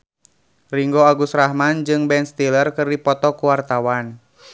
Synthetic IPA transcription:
riŋɡoaɡusrahmand͡ʒɨŋbɛnst̪ilərkɨrdipɔt̪ɔkuwart̪awan

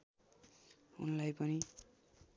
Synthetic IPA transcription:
ṵnlajpʌni

